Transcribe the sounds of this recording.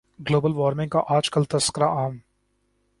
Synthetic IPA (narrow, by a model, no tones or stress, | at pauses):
ɡloːbəlʋɔːɾmɪ̃ŋɡkaʔaːd͡ʒkəlt̪ɐskəɾaʔaːm